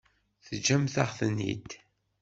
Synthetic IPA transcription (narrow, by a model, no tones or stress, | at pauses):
θəd͡ʒæmθaʁθənːḭd̪